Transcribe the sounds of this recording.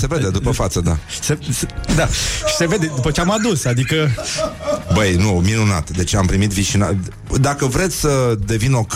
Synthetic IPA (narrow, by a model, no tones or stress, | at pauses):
se̞ve̞d̪e̞d̪upəfat̪səd̪asesd̪aʃi̥se̞ve̞d̪ed̪upət͡ʃeamad̪usad̪ikə | bəjnuminuna̰t̪d̪e̞t͡ʃampɾimit̪viʃina̰ | d̪akəvɾe̞t̪sʲsəd̪e̞vino̞k